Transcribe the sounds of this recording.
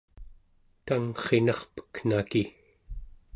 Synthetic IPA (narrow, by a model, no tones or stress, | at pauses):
t̪aŋχe̞nɑχpə̥kn̥aki